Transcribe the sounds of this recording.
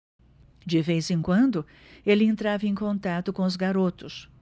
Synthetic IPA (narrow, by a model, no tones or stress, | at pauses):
d͡ʒɪvejzẽkwɐ̃nd̪ʊ | elɪẽnt̪ɾavɐẽj̃kõnt̪at̪ʊkõʊzɡaɾot̪ʊs